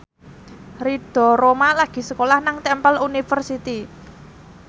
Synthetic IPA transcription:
riɖ̥ɔ̤ɾomalaɡ̥i̤səkolahnaŋt̪ɛmpəlunifərsit̪i

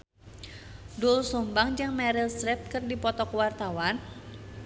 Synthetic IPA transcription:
dulsumbaŋd͡ʒaŋmɛɾilsɾɛp̪̚kɨrdipɔt̪ɔkwart̪awan

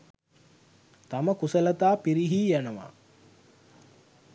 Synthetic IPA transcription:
t̪aməkusələt̪aːpiɾiɦiːjænəʋa̰

